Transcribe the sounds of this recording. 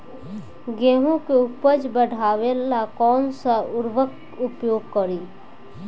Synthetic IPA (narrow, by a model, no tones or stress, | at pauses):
ɡɛ̃ːɦõkeʊpəd͡ʒbəɽʱaːʋelakɔːnsaʊɾʋək | ʊpjoːɡ̚kəɾiː